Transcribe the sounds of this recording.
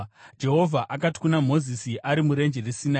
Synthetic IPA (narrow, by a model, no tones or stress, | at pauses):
d͡ʒe̞ɦo̞vʱaʔakati̥kunamo̞zisiʔaɾimuɾe̞nd͡ʒeresina